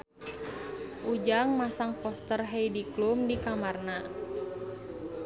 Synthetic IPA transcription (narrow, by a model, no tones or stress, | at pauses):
ʔud͡ʒaŋmasaŋpɔst̪ərɦejdiklumdikamarna